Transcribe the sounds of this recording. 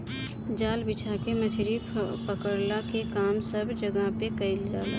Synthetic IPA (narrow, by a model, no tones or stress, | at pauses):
d͡ʒaːlbɪt͡ʃʰakeməsʰɾipəkəɾlakekaːmsəbʱd͡ʒəɡapekəɪld͡ʒaːle